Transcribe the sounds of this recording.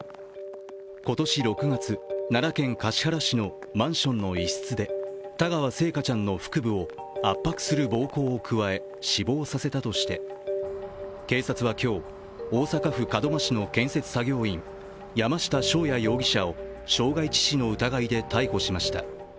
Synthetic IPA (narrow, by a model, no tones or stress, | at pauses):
ko̞t̪o̞ɕiɾo̞kɯ̟ɡat͡sɨnaɾakẽ̞ŋkaɕi̥haɾaɕino̞ | mãɰ̃ɕõnːo̞isɨ̥t͡sɨd̪e̞t̪aɡaβase̞ːkat͡ɕãnːo̞ɸɯ̟̥kɯ̟bɯ̟o̞ | apːakɯ̟̥sɨɾɯ̟bo̞ːko̞ːkʰɯ̟βae̞ | ɕibo̞ːsase̞t̪at̪o̞ɕi̥t̪e̞ | ke̞ːsat͡sɨβakʲo̞ː | oːsakaɸɯ̟kad̪o̞maɕino̞kẽ̞ɰ̃se̞t͡sɨ̥saɡʲo̞ːĩŋ | jamaɕi̥t̪aɕo̞ːjajo̞ːɡʲiɕao̞ | ɕo̞ːɡait͡ɕi̥ɕino̞ɯ̟t̪aɡaid̪e̞t̪aiho̞ɕimaɕi̥t̪a̰